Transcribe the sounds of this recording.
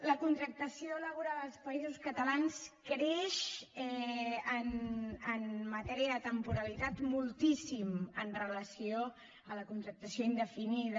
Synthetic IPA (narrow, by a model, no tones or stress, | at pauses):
ləkunt̪ɾək̚t̪əsioləβ̞uɾaəlˠspəizuskət̪əlanskɾeʃɛənənːət̪ɛɾiəðət̪əmpuɾəlit̪at̪mulˠt̪isimənrələsio | ələkunt̪ɾək̚t̪əsioind̪əfiniðə